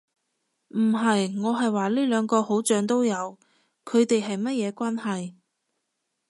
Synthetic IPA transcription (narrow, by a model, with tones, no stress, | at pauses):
m̩˨˩ɦɐ˨jŋɔː˨˧ɦɐ˨jwaː˨˩liː˥lœː˨˧ŋkɔː˧ho˨˥wt͡ʃœː˨˧ŋt̪o˥wjɐ˨˧w | kʰɵ˨˧ɥt̪e˨jɦɐ˨jmɐ˥t̚jɛː˨˧kʷaː˥nɦɐ˨j